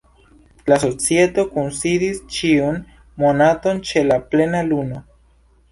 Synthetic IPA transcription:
laso̞t͡sie̞to̞kunsidist͡ʃiun | mo̞nato̞nt͡ʃe̞laple̞naluno̞

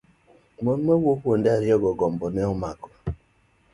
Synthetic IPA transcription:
mon̩mewʷokʷon̩dɪaɾjɔɡɔɡɔm̩bɔneɔmakɔ

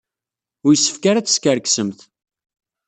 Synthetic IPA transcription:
ʊɾjəsːə̥fkaɾat͡sːə̥skəɾksəmθ

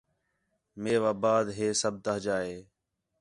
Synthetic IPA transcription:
meːʋaːbaːd̪ɦeːsəb̚t̪əɦd͡ʒaːɦeː

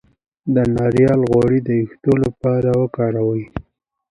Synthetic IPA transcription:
d̪ənɑɾjɑlɣwɑɽid̪əjixt̪olapɑɾawəkɑɾawəj

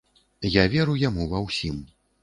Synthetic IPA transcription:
javʲɛɾujamuvɐwsʲim

